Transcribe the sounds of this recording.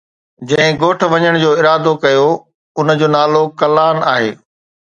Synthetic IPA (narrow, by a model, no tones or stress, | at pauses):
d͡ʑɐ̃ɦɪ̃ɡoːʈ̆ʰʋɐɲəɽ̃d͡ʑoːɪɾaːd̪okɐjo | ʊnəd͡ʑoːnaːlokɐlaːnaːɦeː